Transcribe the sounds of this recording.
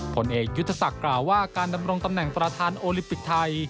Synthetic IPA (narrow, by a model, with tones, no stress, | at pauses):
pʰo˩˦nʔeː˨˩k̚ju˦˥t̪ʰːa˧sa˨˩klaː˨˩wːaː˥˩kaː˧nda˧mɾo˧ŋt̪a˧mnɛ˨˩ŋpɾa˧t̪ʰaː˧nʔoː˧li˧˦˥mpi˨˩k̚t̪ʰa˧j